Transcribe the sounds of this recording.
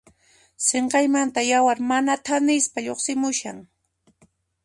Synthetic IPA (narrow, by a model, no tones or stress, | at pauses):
seɴqɑjmant̪ajawaɾmanat̪ʰanɪspaʎoχsɪmʊʃaŋ